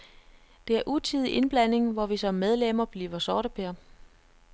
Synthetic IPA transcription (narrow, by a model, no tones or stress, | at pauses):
d̥e̝æɐʔut͡sʰið̞ˠiʔe̝nb̥læn̰e̝ŋʋɒʋisɒ̽mːeð̞ˠlemɐb̥liːʋɐsɒːɾəpʰeɐ